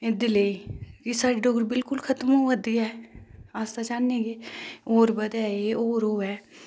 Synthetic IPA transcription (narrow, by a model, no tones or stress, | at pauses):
ed̪ɪleikisaʈɖoːɡɾbɪlkʊlkʰɐt̪moʋəd̪iɛːaːst̪at͡ʃaːnːeɡeoːɾbəd̪aːeeoːɾoːɦɛː